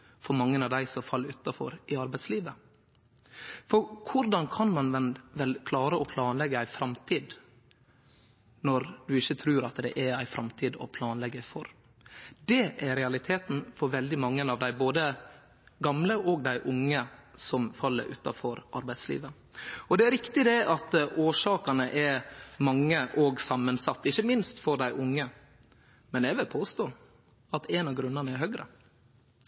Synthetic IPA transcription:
fɔɾmɑŋːənɑʋd̪æɪsɔmfɑlːəɾʉːt̪ːɑfɔ̰ɾɪɑɾbæɪtsliːʋə | fɔɾkʰʊɾd̪ɑnkʰɑnmɑnʋɛnʋɛlkʰlɑːɾəʔɔpʰlɑːnlɛɡəæɪfɾɑmt̪ʰiːd̪ | nɔɾd̪ʉɪçːət̪ʰɾʉːɾɑt̪d̪ɛ̰ʔæɾæɪfɾʔɑmt̪ʰiːd̪ɔ̰pʰlɑːnlɛɡːəfɔɾ | d̪ɛʔæɾɾɛɑlɪt̪ʰeːt̪n̩fɔɾʋɛld̪ɪmɑŋːənɑʋd̪æɪboːd̪ə | ɡɑmləʔɔːɡ̚d̪æɪʔʊŋːəsɔmfɑlːə̰ɾʔʉ̰ːt̪ɑ̰fɔɾʔɑ̰ɾbæɪd̪slḭːʋə | ɔd̪ɛæɾɪkt̪ɪd̪ɛʔɑt̪oːʂɑːkɑnəʔɛɾmɑŋːəʔɔɡsɑmːənsɑt̪ːɪçːəmɪnst̪fɔɾd̪æɪʔʊŋːə | mɛnɛʋɪlpʰoːst̪oː | ɑt̪ɛnɑɡɾʉnːɑnəæɾhœɡɾə̰

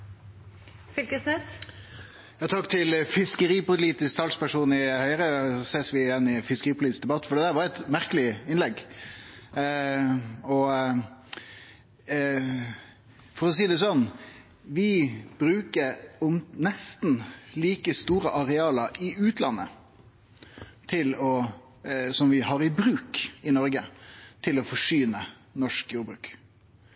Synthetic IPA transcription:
fɪlkəsnɛs | jɑːt̪ʰɑkt̪ʰɪlfɪskəɾiːpʊliːt̪ɪsk̚t̪ʰɑlspæʂuːnɪhœʏɾəseːsʋɪjɛnːɪfɪskəʁiːpʰʊliːt̪ɪsd̪ɛbɑt̪ːfɔɾɖ̪ɛd̪æːɾʋɑɾɛt̪mæɾkəlɪɪnlɛɡ | ɔ | fɔɾɔs̬iːd̪ɛsɔnː | ʋɪb̥ɾʉːkəɾɔmnɛst̪n̩liːkəst̪uːɾəʔɑɾɛɑːləɾɪʉːt̪ʰlɑ̰nːə̰ | t̪ʰɪlɔ | sɔmʋɪhɑɾɪbɾʉːkɪnɔɾɡət̪ʰɪlɔfɔʂyːnə | nɔʂkjuːɾbɾʉ̰ːk

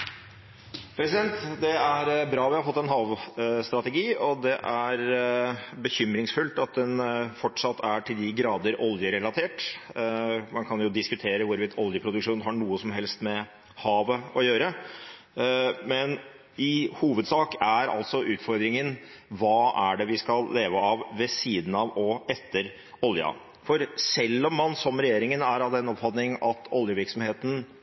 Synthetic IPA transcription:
pʰɾɛsɪd̪ɛnt̪d̪ɛæɾbɾɑːʋɪhɑɾfɔt̪ːɛnɦɑːʋst̪ɾɑt̪ɛɡiːɔd̪ɛʔæɾ | bəçʏmɾɪŋsfʉlt̪ɑt̪̚d̪ɛnfɔʈʂɑt̪ːæʈʰɪld̪ɪɡɾɑːd̪əɾɔljəɾɛlɑt̪ʰeːʈ | mɑnkʰɑnjʊd̪ɪskʉt̪ʰeːɾəʋʊɾʋɪːt̪ːʰɔljəpʰɾʊd̪ʉkʂuːnɦɑɳuːəsɔmɦɛlst̪mɛ | hɑːʋəɔjøːɾə | mɛn | ɪhuːʋəd̪sɑːkæɾɑ̰lt̪sɔʔʉːt̪fɔɾd̪ɾɪŋənʋɑːæɖɛʋɪskɑlːeːʋəɑʋːɛsiːd̪n̩ɑʋɔɛt̪ʰːəɾ | ɔljə̰ | fɔɾsɛlːɔmːɑnsɔmɾɛjeːɾɪŋənæɾɑʋd̪ɛnɔpfɑt̪nɪŋɑt̪ʰɔljəʋɪɾksɔmheːt̪n̩

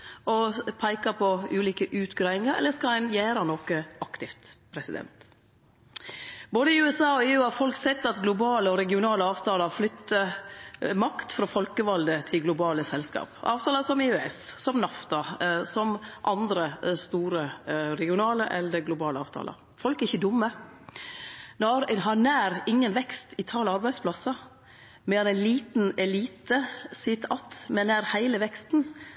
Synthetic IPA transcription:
ɔpʰæɪkɑpʰɔʉːliːkəʔʉːt̪ɡɾɑːɪŋəɾɛ̰lːəskɑlhɛnjæːɾɑnɔkəʔɑkt̪ɪft̪pʰɾɛsɪd̪ɛ̰nt̪ | boːd̪əɪʉɛsɑːɔːeːʉːɑfɔlksɛt̪ːɑt̪ɡlʊbɑːləɔɾɛɡɪʊnɑːləɑːʋt̪ʰɑːləɾflʏt̪ːə | mɑkt̪fɾɑːfɔlkəʋɑld̪ət̪ʰɪlɡlʊbɑːləsɛlskɑ̰ːpʔɑ̰ːʋt̪ʰɑːləsɔmɪʉɛssɔmnɑft̪ɑsɔmʔɑnd̪ɾəst̪uːɾəɾɛɡɪʊnɑːləʔɛ̰lːəd̪əɡlʊbɑːləɑːʋt̪ʰɑ̰ːlɑ̰ɾ | fɔlkɾɪçːəd̪ʊmːə | nɔːɾɦɑnæːɾɪŋːənʋɛkst̪ɪt̪ʰɑːlɑɾbæɪspʰlɑsɑ | mɛɛnæliːt̪n̩ɛliːt̪əsɪt̪ɑt̪mɛnæːɾhæɪləʋɛkst̪n

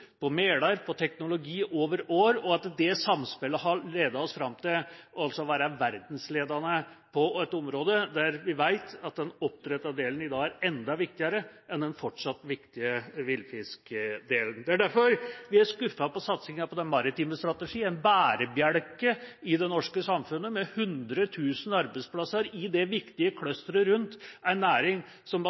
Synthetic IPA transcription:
pʰɔmeːlɑɾpʰɔt̪ʰɛknʊlʊɡiːʔoːʋəɾoːɾɔɑt̪d̪ɛsɑmspɛləɦɑɾɭeːd̪ɑɔsfɾɑmt̪ɪlɔɑlsɔʋæːɾɑʋæɾd̪nsleːd̪ɑnə | pʰɔɛt̪ɔmɾoːd̪əd̪æɾʋɪʋæɪt̪ɑt̪̚d̪ɛnɔp̚ːt̪ʰɾɛt̪ːɑd̪eːlənɪd̪ɑːæɾɛnd̪ɑʋɪk̚t̪ɪɑɾəʔɛnd̪ɛnfɔʈʂɑt̪ːʋɪkt̪ɪəʋɪlfɪskd̪eːlən̩d̪ɛæɖ̪æɾfɔɾʋɪæɾʂkʉfːɑpɔsɑt̪sɪŋɑpʰɔd̪ɛnmɑɾɪt̪iːməst̪ɾɑt̪əʂiːæɪnbæːɾəbjæɽkəɪd̪ɛnɔʂkəsɑmfʉnːəmɛhʉnd̪ɾət̪ʰʉːsən̩ɑɾbæɪspʰlɑsəɾɪd̪ɛʋɪkt̪ɪəkʰlœst̪əɾəɾʉnt̪æɪnːæːɾɪŋ | sɔm

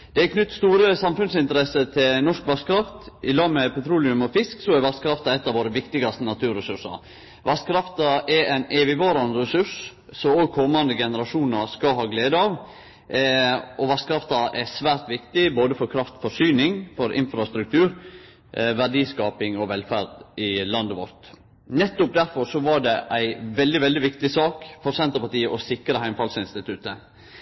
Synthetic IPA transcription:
d̪̥ɛɛkʰnʉt̪ːst̪uːɾəsɑmfʉnsɪnt̪əɾɛsət̪ʰɪlnɔʂkʋɑst̪kʰɾɑft̪ɪlɑːɡmɛpʰɛt̪ʰɾuːlɪʉmɔfɪsksɔæɾʋɑskʰɾɑft̪ɑɛt̪ːɑʋoːɾəʋɪkt̪ɪɡɑst̪ənɑt̪ʰʉːɾɛsʉʂɑ̰ɾ | ʋɑskʰɾɑft̪ɑʔɛɾɛɪneːʋɪʋɑːɾɑnəɾɛsʉʂ | sɔoːɡ̚kʰɔmːɑnd̪əɡɛnəɾɑʂuːnɑɾskɑɦɑːɡleːd̪əɑʋ | ɔʋɑst̪kʰɾɑft̪ɑʔæsʋæːɾt̪ʋɪkt̪ɪboːd̪əfɔɾkʰɾɑft̪fɔʂyːnɪŋfɔɾʔɪ̰nfɾɑst̪ɾʉk̚t̪ʰʉːɾ | ʋæɖiːskɑːpɪŋɔʋɛlfæɾd̪ɪlɑnd̪əʋɔɾt̪ | nɛt̪ːʊp̚d̪æɾfɔɾsɔʋɑɖɛʔæɪʋɛld̪ɪʋɛld̪ɪʋɪkt̪ɪsɑːkfɔɾsɛnt̪əɾpɑt̪iːəʔɔsɪkɾəhæɪmfɑlsɪnst̪ɪt̪ʰʉt̪ə

